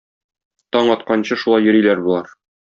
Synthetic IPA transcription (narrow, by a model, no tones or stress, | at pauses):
t̪ɒɴɒt̪qɑnɕɤʃulˠɑjːɵ̆ɾilæɾbulˠɑɾ